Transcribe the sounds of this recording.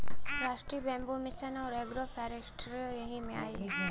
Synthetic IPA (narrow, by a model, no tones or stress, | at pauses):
ɾaːʃʈɾiːbɛ̃mbumɪsɐnɔːɾeɡɾopʰɛːɾesʈɾjojɐɦimẽa̰ːi